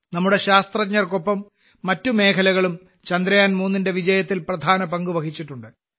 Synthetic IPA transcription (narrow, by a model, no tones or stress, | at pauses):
nɐmːuɽe̞ɕaːst̪rɐɲːɐrko̞pːɐmː | ɐtːume̞ːkʰɐlɐɣɐɭum | t͡ɕɐnd̪ɾɐjaːnmuːnːinde̞ʋid͡ʑɐjɐt̪ːilprɐd̪ʱaːnɐpɐŋɡuʋɐkʰit͡ɕːiʈːuɳɖɨ